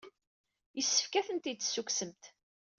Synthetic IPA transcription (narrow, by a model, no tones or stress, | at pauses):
jəsːə̥fkæθənt̪it͡sːsːuksəmt̪